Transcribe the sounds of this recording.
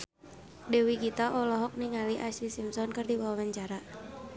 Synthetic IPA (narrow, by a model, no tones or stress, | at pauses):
dɛwiɡit̪aʔɔlɔɦɔk̚niŋaliʔaslisimsɔnkɨrdiwawawaɲt͡ʃaɾa